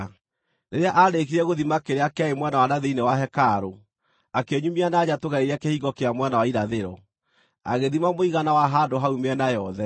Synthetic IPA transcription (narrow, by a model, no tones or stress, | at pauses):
neɾeaʔaɾekiɾɛɣoðimakeɾeakeaemwanawanaðeinewaɦɛkaɾo | akeɲumianad͡ʑatoɣaɾeɾakehiɣɔkeamwanawaiɾaðeɾɔ | a̰ɣeðimamoiɣanawaɦandoɦaumeɛnajɔðɛ